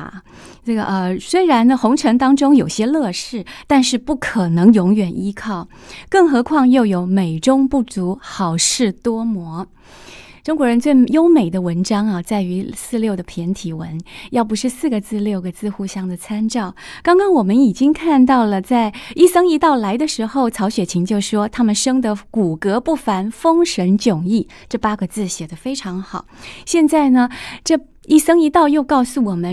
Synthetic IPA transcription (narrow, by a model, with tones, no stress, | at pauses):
ʈ͡ʂɤ˥˩ɡə˩ʔə˧swe˥ɪɻa˧˥nnə˧xʊ˧˥ŋʈ͡ʂʰɤ˧˥ŋt̪ɑ˥ŋʈ͡ʂʊ˥ŋjo˨˩ʊɕjɛ˥lɤ˥˧ʂɻ̩˥˩t̪a˥˧nʂɻ̩˥˧pu˥˩kʰɤ˨˩nɤ˧˥ŋjʊ˧˥ŋɥɛ˨˩nʔi˥kʰɑ˥˩ʊ | kɤ˥˩ŋxɤ˧˥kʰwɑ˥˧ŋjo˥˩ʊjo˧˥ʊme˨˩ɪʈ͡ʂʊ˥ŋpu˥˩t͡su˧˥xɑ˨˩ʊʂɻ̩˥˩t̪wɔ˥mwɔ˧˥ | ʈ͡ʂʊ˥ŋkwɔ˧˥ɻə˧˥nt͡swe˥˩ɪjo˥ʊme˨˩ɪd̪ə˦wə˧˥nʈ͡ʂɑ˥ŋɐ˨t͡sa˥˩ɪy˧˥sɹ̩˥˧ljo˥˩ʊd̪ə˩pʰjɛ˧˥nt̪ʰi˨˩wə˧˥njɑ˥˩ʊp̬u˧˥ʂɻ̩˥˧sɹ̩˥˩ɡə˩t͡sɹ̩˥˧ljo˥˩ʊɡə˩t͡sɹ̩˥˧xu˥˩ɕjɑ˥ŋd̪ə˨t͡sʰa˥nʈ͡ʂɑ˥˩ʊkɑ˥ŋkɑ˥ŋwɔ˨˩mə˦ni˨˩t͡ɕi˥ŋkʰa˥˧nt̪̬ɑ˥˩ʊlə˩t͡sa˥˧ɪi˥˩sɤ˥ŋi˧˥t̪ɑ˥˩ʊla˧˥ɪd̪ə˧ʂɻ̩˧˥xo˥˩ʊt͡sʰɑ˧˥ʊɕɥɛ˨˩t͡ɕʰi˧˥ŋt͡ɕjo˥˩ʊʂwɔ˥t̪ʰa˥mə˨nʂɤ˥ŋd̪ə˨ku˨˩kɤ˧˥pu˥˩fa˧˥nfɤ˥ŋʂə˧˥nt͡ɕjʊ˨˩ŋi˥˩ | ʈ͡ʂɤ˥˩pa˥ɡə˧t͡sɹ̩˥˩ɕjɛ˨˩d̪ə˦fe˥ɪʈ͡ʂʰɑ˧˥ŋxɑ˨˩ʊɕjɛ˥˧nt͡sa˥˩ɪnə˩ʈ͡ʂɤ˥˧ | i˥˩sɤ˥ŋi˧˥t̪ɑ˥˧ʊjo˥˧ʊkɑ˥˩˧ʊsu˨˩wɔ˨˩mə˦